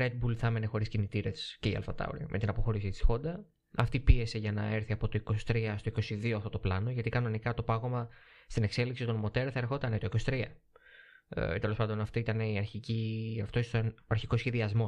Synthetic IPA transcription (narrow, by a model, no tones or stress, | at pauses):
ɾed̪̚bulθɐmene̞xo̞ɾiscinit̪iɾesce̞iɐ̰lfɐt̪ɐ̰o̰ɾiɐ̰mʔe̞t̪inɐpo̞xo̞ɾisit̪i̥sxo̞nd̪ɐ | ɐft̪ipie̞se̞ʝɐnɐ̰e̞ɾθiɐpo̞t̪o̞iko̞si̥t̪ɾiɐst̪o̞iko̞siðioɐft̪o̞t̪oplɐno̞ʝɐt̪ikɐno̞nikɐt̪o̞pɐɣo̞mɐst̪ine̞kse̞liksit̪o̞nmo̞t̪eɾθɐe̞ɾxo̞t̪ɐnet̪o̞iko̞si̥t̪ɾiɐ | t̪e̞lopɐnd̪o̞nɐft̪iit̪ɐneiɐɾçiciɐft̪oisnɐɾçiko̞sçeðiɐzmo̞